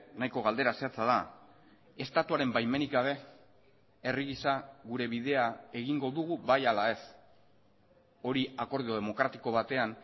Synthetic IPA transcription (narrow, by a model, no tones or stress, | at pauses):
najko̞ɣ̞ald̪e̞ɾaseat͡saða | e̞st̪at̪uaɾe̞mbajme̞nikɡaβe̞ | e̞riɣisaɣuɾe̞βiðe̞ae̞ɣiŋɡo̞ðuɣuβajalae̞s | o̞ɾiako̞ɾðio̞ðe̞mo̞kɾat̪iko̞β̞at̪e̞an